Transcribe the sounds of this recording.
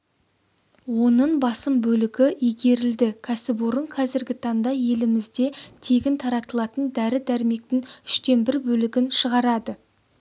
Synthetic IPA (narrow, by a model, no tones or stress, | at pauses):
wo̞nəɴbɑsəmbɵlɪɡʲɪʔijɡʲe̞ɾɪld̪ɪkʲʰæsɪbʊɾəɴqʰɑzɪɾɡʲɪt̪ʰɑnd̪ɑje̞lɪmɪzd̪e̞t̪ʰe̞ɡʲɪnt̪ʰɑɾɑt̪əlˠɑt̪ənd̪æɾɪd̪æɾɪme̞k̚t̪ɪŋʏʃt̪e̞nbɪɾbɵlɪɡʲɪnʃəʁɑɾɑd̪ə